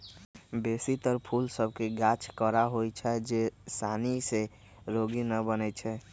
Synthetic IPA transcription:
besit̪əɾpʰulsəb̚ʱkeɡat͡ʃʰkəɾaɦojt͡ʃʰɛd͡ʒesanise | ɾoɡinəbənɛt͡ʃʰɛ

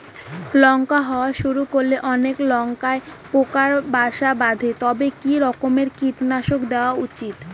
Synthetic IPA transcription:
lɔŋkaɦɔoaʃuɾukoɾleʔɔneklɔŋkaepokaɾbaʃabad̪ʱet̪ɔbekiɾɔkomeɾkiʈnaʃokd̪eoaut͡ɕit̪

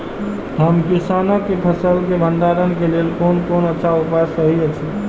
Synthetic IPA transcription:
ɦəmkisanəkːepʰəsəlkebʱənd̪aɾənkelelkonkonətːʃʰaupasəɦiət͡ʃʰi

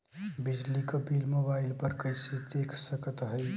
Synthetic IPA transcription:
bɪd͡ʒlikəbilmobaɪlpəɾkəɪsed̪ekʰsəkət̪ɦəɪ

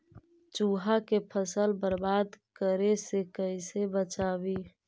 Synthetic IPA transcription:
t͡ʃuːɦakepʰəsəlbəɾbaːd̪kəɾesekəisebət͡ʃaːwiː

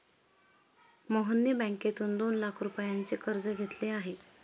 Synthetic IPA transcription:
məɦənːjəbãŋket̪uːnd̪onlakʰɾupəjant͡sekəɾd͡zəɡʱet̪leaɦe

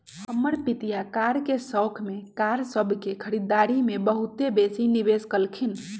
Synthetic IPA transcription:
hɦəmːəɾpit̪ijakaɾkesəwkʰmekaɾsəbʱkekʰəɾid̪aɾimebəɦut̪ebesiniβeskəlkʰin

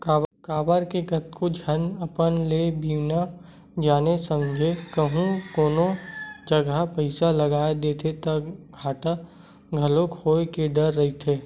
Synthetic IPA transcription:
kaːkaːbəɾkeɡət̪kod͡ʒʱənɐpənlebiːwna | d͡ʒaːnesə̃md͡ʒʱekəɦũkoːnõd͡ʒəɡəpəɪsalɐɡaːed̪eːt̪ʰet̪ɐɡʱaːʈa | ɡʱɐlokʰoːekeɖəɾːɐɦit̪ʰeː

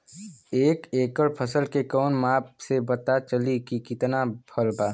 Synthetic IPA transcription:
eːkeːkəɾpʰəsəlkekɔːnmaːpsebət̪at͡ʃəlikikɪt̪nabʰʱəlbaː

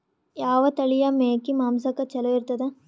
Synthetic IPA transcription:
jaːʋɐt̪ɐɭijɐmeːkːimaːmsɐkːɐt͡ʃɛloiɾt̪ːɐd̪e

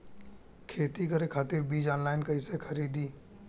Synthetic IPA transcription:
kʰeːt̪ikəɾekʰaːt̪ɪɾbiːd͡ʒɔːnlaːɪnkəisekʰəɾiːd̪iː

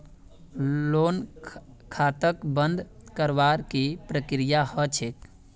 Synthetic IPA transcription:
loːn | kʰat̪əkbənd̪ʱkəɾʋaɾkipɾəkɾijahət͡ʃʰek

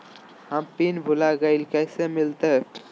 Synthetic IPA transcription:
ɦəmpinbʱʊlaɡəilkɛːsemɪlt̪e

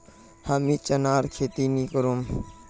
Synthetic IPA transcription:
haːmiːt͡ʃənaːɾkʰeːt̪inikəɾom

